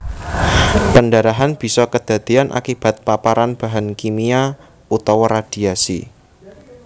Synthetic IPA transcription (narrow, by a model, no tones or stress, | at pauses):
pəndaɾaɦanb̥i̤sɔkəd̪̥a̤d̪̥ianʔa̰kib̥a̤t̪̚papaɾanb̥a̤ɦankimia | ut̪awɾad̥iasḭ